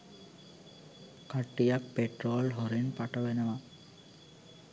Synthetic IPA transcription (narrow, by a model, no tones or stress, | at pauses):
kaʈːijak̚peʈroːlɦoɾinpaʈəʋenəʋa